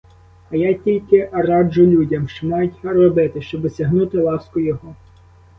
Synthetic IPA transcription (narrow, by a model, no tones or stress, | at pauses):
ɐjɑtʲilʲkɪʔɐrɑd͡ʒʊlʲudʲɐmʃmɑjtʲɐrɔbɪt̪ɪʃt͡ʃɔb̪ɔsʲɐɦnut̪ɪlˠɑskʊjɔɦɔ